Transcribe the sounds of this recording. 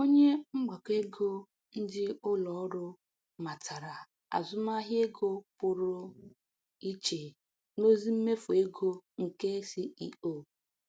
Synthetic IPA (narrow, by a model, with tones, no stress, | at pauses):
o˦ɲe˦ŋ͡m̩˦ɡ͡ba˨ke˦ɡo˦ | n̩˦dɪ˦ʊ˦lɔ˨˦ɾʊ˦ | ma˨tʰa˨ɾa˨ | a̰˨zʊ˦ma˦ɦje˦ɡo˦pʊ˨ɾʊ˦ | i˦t͡ʃe˨ | no˦zi˦m̩˦me˦fʊ˨e˦ɡo˦ŋ̩˨ke˦si˦i˦o˨